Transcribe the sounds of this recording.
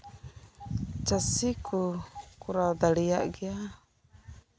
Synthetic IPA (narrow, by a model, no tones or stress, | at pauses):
t͡ʃasikʰukuɾawd̪aliaʔɡia